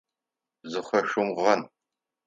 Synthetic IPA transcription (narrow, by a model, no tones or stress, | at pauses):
zɨχʷɐʃʷʊmʁɐn